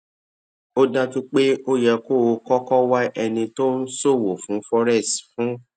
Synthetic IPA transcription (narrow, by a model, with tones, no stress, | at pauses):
o˦da˦tu˦k͡pe˦o˦jɛ˧ko˦˨o˧kɔ˦kɔ˦wa˦ʔɛ˧nĩ˧to˦n̩˦so˦˨wo˨fũ˨˦fɔ˦ɾɛ˦˨stfũ˦